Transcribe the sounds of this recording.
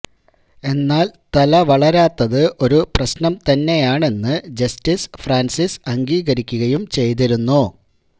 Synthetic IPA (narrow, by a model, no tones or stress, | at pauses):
e̞nːaːlt̪ɐlɐʋɐɭɐɾaːt̪ːɐðɨʔo̞ɾuprɐɕnɐmt̪ɐnːe̞jaːɳe̞nːɨd͡ʑɐstisfraːnsisɐŋɡiːɣɐɾikʲːuɣɐjumt͡ɕe̞jt̪̬iɾunːu